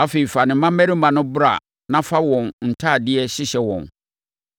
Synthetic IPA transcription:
a˦fe˨i˨fa˨nɪ̃˨˦mã˦mː˦ɛ˦ɾi˦mã˨nʊ̃˦bʊ˦ɾa̰˨ | nã˦fa˦wɔ̃˨nn̩˨tʰaː˦˨dɪ˦ɛ˦ɕɪ˦ɕɛ˦wɔ̰̃˨n

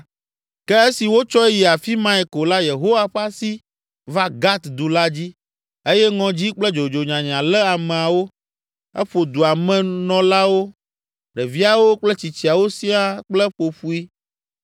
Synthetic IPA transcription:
kɛ˦e˦si˨wo˦t͡ʃɔ˦ji˨a˨fi˦mã˦ɛ˨ko˨la˦je˨ɦo˦wa˦ɸa˦si˦ | va˦ɡa˦t̪d̪u˨la˦d͡ʑi˦ | e˦jɛ˦ŋɔ̃˨d͡ʑi˦k͡plɛ˦d͡ʒo˨d͡ʒo˨ɲã˨ɲã˨lɛ˦a˨mɛ̃˨a˨wo˦ | ɛ̰˦ɸo˨d̪u˨a˨mɛ̃˨nɔ̃˦la˦wo˦ | ɖɛ˨vi˦a˨wo˦k͡plɛ˦t͡ɕi˨t͡ɕi˨a˨wo˦si˦a˦k͡plɛ˦ɸo˨ɸu˦i˦

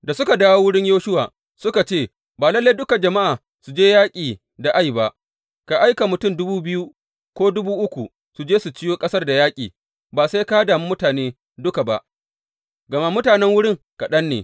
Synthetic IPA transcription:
da˨sʊ˦ka˨daː˦wo˦wʊ˦ɽɪ˦ɲjoː˦ʃʊ˦wa̰ː˨ | sʊ˦ka˨t͡ʃeː˦˨ | baː˨lɐ˦lːa˦dʊ˦ka˨d͡ʒɐ˨ma˦ʔaː˨ | su˨d͡ʒeː˦jaː˦kʲʼiː˨ | da˨ʔa˦jba˦˨ʔ | ka˨ʔa˦jka˨mʊ˨tʊ˦˨mdʊ˦buː˦bɪ˦ju˦ | kʷoː˦dʊ˦buː˦ʔʊ˦kʷu˨ | su˨d͡ʒeː˦su˨t͡ʃɪ˦joː˦kʼɐ˦sɐ˦rda˨jaː˦kʲʼiː˨ | baː˨sa˦jka˦daː˨mu˦mʊ˦taː˨neː˦ | dʊ˦ka˨ba˨ʔ | ɡɐ˨ma˦mʊ˦taː˨nɛ˦ŋwʊ˦ɽɪ˦ŋ | ka˨ɗɐ˦nːḛː˨

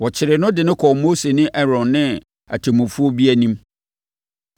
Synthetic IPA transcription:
wɔ˨t͡ɕʰɪ˨ɾɪ˨nʊ̃˦dɪ˨nɪ̃˦kʰɔ˨moː˦se˨nɪ̃˦ʔɛ˦ɾɔ̃˨nːɪ̃˦ | æ̰˨tʰe˨mũ˨fu˦o˦bi˦æ˦nĩ˦m

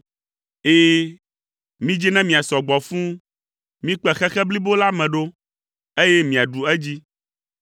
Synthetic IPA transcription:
eː˦ | mĩ˦d͡ʑi˦nɛ̃˦mĩ˨a˨sɔ˨ɡ͡bɔ˨fũ˦ | mĩ˦k͡pɛ˦xɛ˦xɛ˦bli˦bo˦la˦mɛ̃˨ɖo˦ | e˦jɛ˦mĩ˨a˨ɖu˨ɛ˦d͡ʑi˦

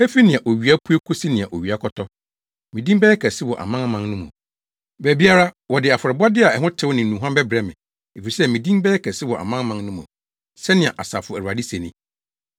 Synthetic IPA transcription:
ɛ˦fi˦nɪ̃˨ã˨ʔo˨ɥi˨a˦pʰu˦e˦kʰʊ˦si˦nɪ̃˨a˨ʔo˨ɥi˨a˦kʰɔ˦tʰɔ˦ | mĩ˨dĩ˦mbɛː˦ɛ˦kʰɛ˨sɪ˦wɔ̰˨ʔa̰˨mã˦mã˦ŋnʊ̃˦mʊ̰̃˨ | bæ˨bi˦a˦ɾa˦wɔ˨dɪ˨a˨fʊ˨ɾɛ˨ba˦dɪ˦a˨ɛ˨ɦʊ̃˦tʰɪ˦wnɪ̃˨nũ˨ɦã˦bɛ˦bɾɛ˦mɪ̰̃˨ | e˨fi˨ɾi˨sɛ˦mĩ˨dĩ˦mbɛː˦ɛ˦kʰɛ˨sɪ˦wɔ˨ʔa̰˨mã˦ŋ˦mã˨˦ŋnʊ̃˦mʊ̰̃˨ | sɛ˦nɪ̃˨ã̰˨ʔa˨sa˨fʊ˨æ˨a˨di˦sɛ˨nɪ̃˨

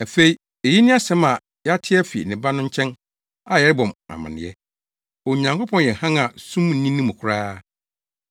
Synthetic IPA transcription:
æ˨fe˦i˦ | e˨ji˦nɪ̃˦a˦sɛ̃˦ma˨ | jɛ˦a˦tʰɪ˦ɛ˦fḭ˨nɪ̃˨ba˦nʊ̃˦ɲ̩˦t͡ɕʰɛ̃˦n | a˨jɛ˨ɾɪ˦bɔ̃˨ma̰˨mã̰˨nɪ̰̃˨ɛ˦ | o˨ɲã˨ŋkʰo˦pʰɔ̃˨n˨jɛ˨hã˦ŋa˨sũ˦m˨n̩˨˦ĩ˦nĩ˦mʊ̃˨kʰʊ˦ɾaː˦

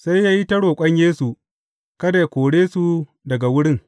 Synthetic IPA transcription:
sa˦jːaː˦ji˦tɐ˦ɽoː˨kʷʼɐ˦ɲjeː˦su˨ | kɐ˦da˨jkʷoː˨ɽeː˦su˨ | dɐ˨ɡa˨wʊ˦ɽɪ˦ŋ

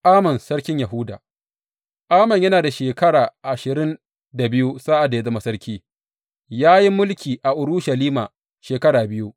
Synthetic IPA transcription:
ʔaː˦mɐ˨nsɐ˦ɽkʲɪ˦ɲja˨ɦʊ˦da̰ː˨ | ʔaː˦mɐ˨ɲjɐ˦naː˨da˨ʃeː˨kɐ˦ɽaː˨ʔa˨ʃɪ˨ɾɪ˦n | da˨bɪ˦ju˦saː˦ʔa˨da˨ja˦zɐ˦ma˦sɐ˦ɽkʲiː˦ | jaː˦ji˦mʊ˦lkʲiː˨ʔa˨ʔʊ˨ɾʊ˦ʃɐ˨liː˦maː˨ | ʃeː˨kɐ˦ɽaː˨bɪ˦ju˦ʔ

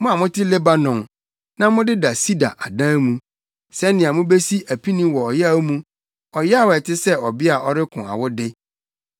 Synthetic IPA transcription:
mʊ̃˦a˨mʊ̃˦tʰɪ˦le˦ba˦nɔ̃˨ŋ | nã˦mʊ̃˦dɪ˦da˨si˦da̰˨ʔa˨dã˦mũ˨ | sɛ˦nɪ̃˨ã˨mʊ̃˦be˦si˦ʔæ˨pʰi˦nĩ˦wɔ˨ɔ˨jɛ˦a˦mũ˦ | ɔ˨jɛ˦a˦wɛ˨tʰɪ˦sɛ˦ɔ˨bɪ˦a˨ɔ˦ɾɪ˦kʰʊ̃˨a̰˨wʊ˦dɪ˦

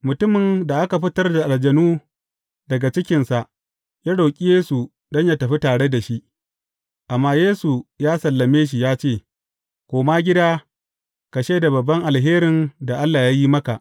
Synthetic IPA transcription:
mʊ˨tʊ˦mɪ˨nda˨ʔa˦ka˨ɸɪ˦tɐ˦rda˨ʔa˨ld͡ʒɐ˨nuː˦ | dɐ˨ɡa˨t͡ʃɪ˦kʲɪ˨nsa˨ʔ | jaː˦ɽa˨kʲʼi˦jeː˦su˨ | dɔ˦ɲja˦tɐ˨ɸi˦taː˨ɽe˦da˨ʃi˦ʔ | ʔa˨mːaː˦jeː˦su˨jaː˦sɐ˨lːɐ˨meː˦ʃ̬i˨jaː˦t͡ʃeː˦˨ | kʷoː˨maː˦ɡʲɪ˦daː˦ | ka˨ʃeː˦da˨bɐ˨bːɐ˦ŋʔa˨lɦeː˦ɾɪ˨nda˨ʔa˦lːaː˨ja˦ji˦mɐ˦ka˨ʔ

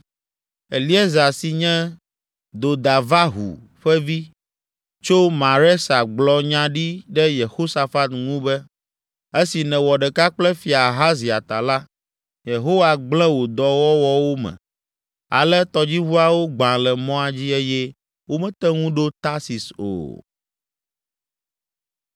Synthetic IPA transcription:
e˨li˦e˦za˨si˨ɲɛ̃˦ | d̪o˨d̪a˨va˦ɦṵ˨ | ɸɛ˦vi˦ | t͡ʃo˦mã˨ɾɛ˦sa˨ɡ͡blɔ˨ɲã˦ɖi˦ɖɛ˦je˨xo˦sa˨fa˦t̪ŋũ˦bɛ˦ | e˦si˨nɛ̃˨wɔ˨ɖɛ˨ka˦k͡plɛ˦fi˨a˨ɦa˦zi˨a˨t̪a˨la˦ | je˨ɦo˦wa˨ɡ͡blɛ̃˦wo˨d̪ɔ˨wɔ˦wɔ˦wo˦mɛ̰̃˨ | a̰˨lɛ˦t̪ɔ˨d͡ʑi˦βu˦a˦wo˦ɡ͡bã˨lɛ˨mɔ̃˦a˨d͡ʑi˦e˦jɛ˦ | wo˦mɛ̃˦t̪ɛ˦ŋũ˦ɖo˦t̪a˦si˨so̰˨

